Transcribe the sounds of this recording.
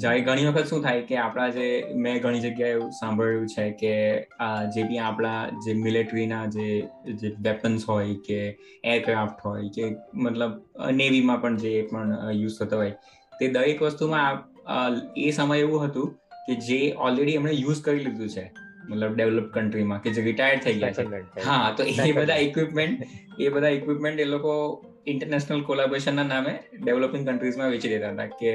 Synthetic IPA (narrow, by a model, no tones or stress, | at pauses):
d͡ʒaeɡʱəɽ̃iʋəkʰət̪ʃũt̪ʰajkeapɭad͡ʒemɛ̃ɡʱəɽ̃id͡ʒəɡjaeũsãmbʱəɭjũt͡ʃʰeke | d͡ʒebijãapɭ̃ad͡ʒemɪleʈɾinad͡ʒed͡ʒeʋɛpənsɦojke | eɾkɾafʈɦojkemət̪ləb̰neʋimãpəɳd͡ʒepəɳjuzt̪ʰət̪aɦɔj | t̪ed̪əɾekʋəst̪umãap | esəməjeʋũɦət̪ũked͡ʒeɔlɾeɽiɛmɳejud͡ʒkəɾilid̪ũt͡ʃʰemət̪ləb̚ɖeʋləpkəɳʈɾimãked͡ʒeɾiʈajəɾɽt̪ʰəiɡəja̰t͡ʃʰeɦãt̪oebəd̪ʱaikʋipmeɳʈ̚ebəd̪ʱaikʋipmẽɳʈeloko | ɪɳʈəɾnɛʃnəlkolabɾeʃənːanameɖeʋləpĩŋɡkəɳʈɾizmãʋet͡ʃid̪et̪aɦət̪ake